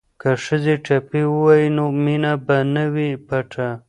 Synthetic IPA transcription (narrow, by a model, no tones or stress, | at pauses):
kaʂəzeʈapiwəwajinominabanəwipaʈʰa